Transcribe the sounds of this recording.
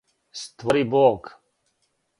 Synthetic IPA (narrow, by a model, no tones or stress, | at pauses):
st̪ʋɔɾiboːɡ